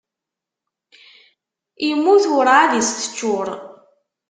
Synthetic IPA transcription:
imːuθʊɾaðist̪ə̥t͡ʃːʊɾˤ

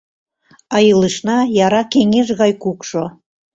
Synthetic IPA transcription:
ɑjɯlɨʃnɑjɑɾɑkeŋeʃɣɑjkukʃo

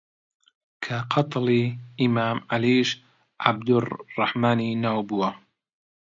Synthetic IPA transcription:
kʰaqʰɑt̪ˤliːʔimaːmʕaliːʃ | ʕa̰b̚d̪ʊrːɑħmaːniːnaːwbuwɐ

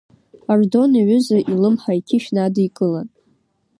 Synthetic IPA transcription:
ardo̞niʕʷʏzaʔilɨmħajkʲʰɪʃnadijkʼɨlan

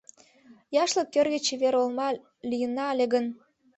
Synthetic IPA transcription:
jɑʃlə̆kːørɣet͡ɕeβeɾolmɑ | lʲijənːɑlʲeɡɣən

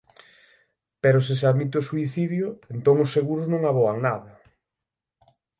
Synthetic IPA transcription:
peɾʊsɪseaðmit̪eosuiθiðjʊent̪oŋʊsːeɣuɾʊznõŋaβɔaŋnaðɐ

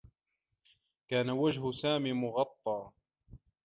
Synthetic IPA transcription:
kaːnawad͡ʒɦʊsaːmiːmʊɣɑt̪ˤːɑː

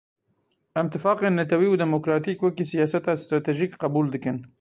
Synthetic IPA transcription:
ɪmt̪ɪfɑːqenat̪awiwd̪ɪmokɾɑt̪ikwəkisijɑːsat̪ast̪ɾɑt̪eʒikqabuld̪əkən

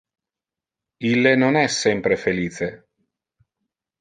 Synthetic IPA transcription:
ilːenonɛsːɛmpɾefeliːt͡se

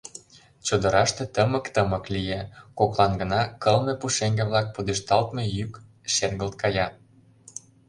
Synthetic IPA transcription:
t͡ɕod̪ə̆ɾɑʃt̪ĕt̪əməkt̪əmə̆klijekoklɑnɡə̆nɑkɤlmepuʃeŋɡĕβlɑk̚pud̪eʃt̪ɑlt̪mejyk | ʃerɡəlt̪̚kʰɑjɑ

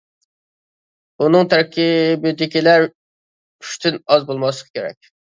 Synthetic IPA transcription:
unɨŋt̪ʰæɾkʲibɪd̪ɪkʲilæɾ | y̥ʃt̪ʰynɑzbolˠmɑslˠəqʰkʲʰeɾɛ̰k̚ʲ

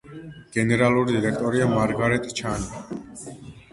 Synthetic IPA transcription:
ɡ̥ɛnɛɾaluɾid̪iɾɛk̚ʰt̪ʼɔɾiamaɾɡaɾɛt̪ʼt͡ʃʰani

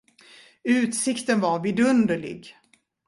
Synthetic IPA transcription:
ʉ̟ːt̪sɪkt̪ənvaɾvɪd̪ɵnd̪əɭɪ̰ɡ

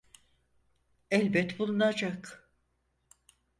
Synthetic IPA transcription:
ɛlʲbɛt̪bulˠunad͡ʒak

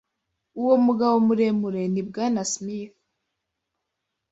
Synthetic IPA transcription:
uwo̞muɡaβomuɾemuɾenib̚ɡanasmiθ

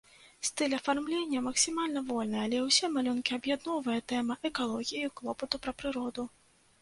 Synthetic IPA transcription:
st̪ɨlʲɐfarmlʲenʲːɐmɐksʲimalʲnɐvɔlʲnɨalʲɛwsʲɛmalʲunkʲiɐbjad̪nɔvɐjɐt̪ɛmɐʔɛkalˠɔɣʲijɐiklˠɔpɐt̪upɾɐpɾɨɾɔd̪u

